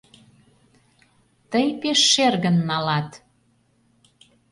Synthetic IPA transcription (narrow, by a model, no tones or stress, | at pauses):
t̪əjpeʃːerɣənːɑlɑt̪